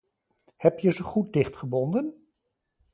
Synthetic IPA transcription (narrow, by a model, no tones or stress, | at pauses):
hɛpjəzəχut̚dɪχtχəbɔndən